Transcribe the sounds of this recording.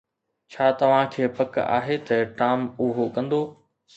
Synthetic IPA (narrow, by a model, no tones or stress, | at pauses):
t͡ɕʰaːt̪ɐʋ̤ãkʰeːpɐka̰ːɦet̪ɐʈaːmʊɦokɐ̃nd̪oː